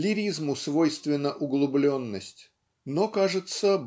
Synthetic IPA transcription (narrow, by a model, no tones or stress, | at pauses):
lʲɪɾʲizmʊsvojst̪vʲɪnːəʔʊɡlˠʊblʲo̞nːəsʲtʲ | nokaʐɨt̪sə